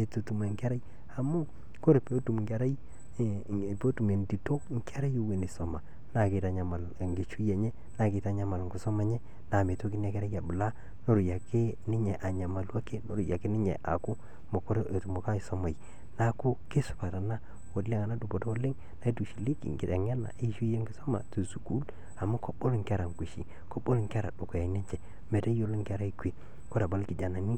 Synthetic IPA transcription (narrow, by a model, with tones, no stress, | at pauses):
e˨to˨tu˨ma˨ŋkɛ˦ɾa˦j | a˨mu˦ | ko˦ɾe˨pe˨o˦tu˨m˨ŋɡa˨ɾa˦j | po˦tu˨me˨ndi˨to˦ŋkɛ˦ɾa˦jo˦we˨ni˨so˨ma˨ | na˦ke˨ta˨ɲa˨ma˨lŋɡe˨t͡ʃu˦jɛ˨ɲɛ˦ | na˦˨kɪ˨ta˨ɲa˦ma˨lŋɡu˨so˦ma˨˦ɲɛ˦ | na˨me˨to˦k̬i˦n˦a˨˦kɛ˦ɾa˦ja˨bʊ˨la˦ | no˦ɾʊ˨ja˨ke˦nɪ˦ɲɛ˨ʔa˨ɲa˨ma˨lwa˦ke˦no˦˨ɾu˨ja˨ke˦nɪ˦ɲɛ̰˨ʔa̰˨kʊ˦ | mo˨ko˦ɾtmo˨ka˦i˨so˦ma˨i˨ | na˦ku˦ke˦su̥˦pa˨ta˨na˦ | wo˨le˦ŋa˨na˦du˨bo˨to˦o˦lɪ˦ŋ | na˦i˦du˨ʃi˨li˦kḭ˨ŋɡi˨da˨ŋ˦a˦na̰˨ʔe˦ʃu˦je˦ŋɡi˨so˦ma̰˨to˨su˨ku˦l | a˨ma˦ko˦bo˦lo˨ŋka˦ɾa˨ŋke˨ʃi˨ | ko˦bo˦lo˨ŋka˦ɾa̰˨do˨ko˨ja˨˦ne˦ɲt͡ʃɛ˨ | me˨ta˦o˦lo˦ŋka˦ɾa˦i˨kwe˨ | ko˦ɾa˨ba˦lki˨d͡ʒa˨na˨ni˦